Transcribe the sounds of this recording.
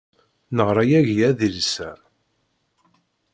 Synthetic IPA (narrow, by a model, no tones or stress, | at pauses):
nəʁɾˤajæʝjæðilsæ